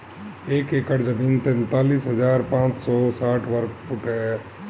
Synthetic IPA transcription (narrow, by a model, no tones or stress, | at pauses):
eːkeːkəɽd͡ʒəmiːnt̪ɛnt̪aːliːsɦəd͡ʒaːɾpãːt͡ʃsɔsaːʈʰʋəɾkpuʈɦɛ